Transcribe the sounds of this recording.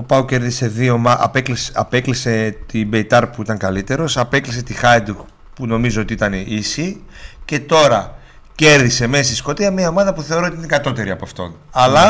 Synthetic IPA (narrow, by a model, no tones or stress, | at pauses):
o̞pɐuce̞ɾðise̞ðio̞mɐɐ̰peklisɐpe̞klise̞t̪ibe̞it̪ɐɾpuit̪ɐŋkɐlit̪e̞ɾo̞sɐpe̞klis̬e̞t̪ixɐjd̪uk | puno̞mizoo̞t̪iit̪ɐneisice̞t̪o̞ɾɐ | ce̞ɾðise̞mesisko̞t̪iɐmiɐo̞mɐðɐpuθe̞oɾot̪iinkɐt̪o̞t̪e̞ɾiɐpɐft̪o̞̰nɐlɐ